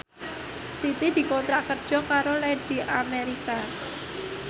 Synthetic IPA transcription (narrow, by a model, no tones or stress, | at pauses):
sit̪id̪̥i̤kɔnt̪ɾakərd̥ʒ̥ɔ̤kaɾolɛɖ̥i̤ʔameɾika